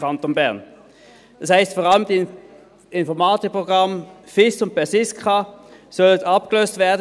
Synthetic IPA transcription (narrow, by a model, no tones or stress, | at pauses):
ɑntonbɛɐn | dɑshaɪstfɔːʁɑləmd̥i | ɪnfɔɐmaːtɪk̚pʁoɡʁɑm | fɪsʊnt̚pɛɐsɪskʰɑsɔlətɑp̚ɡ̥əløːstv̥ɛːɐd